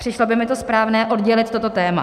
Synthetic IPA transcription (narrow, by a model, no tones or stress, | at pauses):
r̥ɪʃlo̞bɪmɪt̪o̞spɾaːvnɛːʔo̞dɟɛlɪt̪t̪o̞t̪o̞t̪ɛːma̰